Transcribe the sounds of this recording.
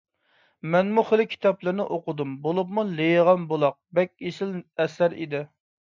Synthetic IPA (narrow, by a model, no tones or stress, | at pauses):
mɛnmuχəlɪkʲʰi̥t̪ʰɑplɪɾnɪʔoqʊd̪umbolˠup̚mulejʁɑmbolˠɑq̚bɛkʲesɪlɛsæɾḭd̪ɪ